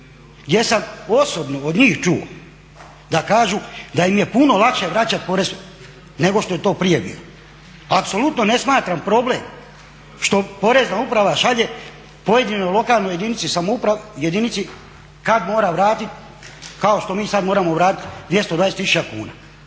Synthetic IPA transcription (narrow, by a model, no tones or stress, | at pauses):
ɡd̪je̞samo̞so̞bno̞od̪ɲiːxt͡ʃuo̰ | d̪akaːʒud̪aimje̞puno̞lˠakʃeʋɾat͡ɕat̪̚po̞ɾez | ne̞ɡo̞ʃt̪o̞je̞t̪o̞ːpɾije̞bḭːlo | apso̞lut̪no̞ne̞smaːt̪ɾampɾo̞ble̞ːm | ʃt̪o̞po̞ɾe̞znaupɾaʋaʃaʎe̞ | po̞je̞d̪inojlo̞kaːlˠnoje̞d̪init̪sisamoupɾajed̪init̪si | kad̪mo̞ːɾaʋɾaːt̪it̪ | kao̞ʃt̪o̞miːsad̪moːɾamo̞ʋɾaːt̪i̥t̪d̪ʋje̞st̪od̪ʋaːjeset̪isu̥t͡ʃakṵːna̰ː